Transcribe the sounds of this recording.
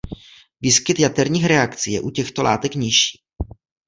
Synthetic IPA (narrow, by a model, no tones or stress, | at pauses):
viːskɪt̪jat̪ɛɾɲiːxɾɛakt͡sijɛ̰ʔucɛxt̪ola̰ːt̪ɛkɲɪʃi̥ː